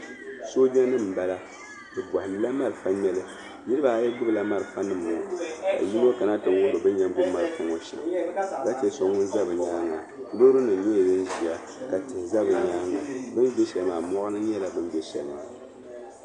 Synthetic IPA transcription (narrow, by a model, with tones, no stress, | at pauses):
so˦d͡ʒɛ˦nɨ˦˨m̩˨ba˦la˦ | bɨ˨bwa˨hnɨ˨la˦ma˦ɾɨ˨fa˦ɲɛ˦lɨ˦ | nɨ˦ɾɨ˦ba˨˦jɛ˦ɡʊ˦bɨ˨la˦ma˦ɾɨ˨fa˦nɨ˦˨mːʊ˨ka̰˨ji˦no˦ka˨na˦tɨ˨ŋwʊ˦bo˨bɨ˦ɲɛ˦ɡʊ˦bma˨ɾkʊ˨ŋo˦ʃa̰˨ŋka˦t͡ʃɛ˦so˨ŋʊ˦nza˦bɨ˨ɲaː˦ŋa˨ | lo˦ɾɨ˦nɨ˨ɲɛ˦˨jɛ˦n˦ʒi˨a˨ | ka˨tɪ˨hɪ˨za˦bɨ˨ɲaː˦ŋa˨bɨ˦nde˦ʃɛ˨lmaː˨mɔ˦ʔɨ˦nɨ˦ɲɛ˦la˦bɨ˦nbɛ˦ʃɛ̰˨lɨ˦ma̰ː˨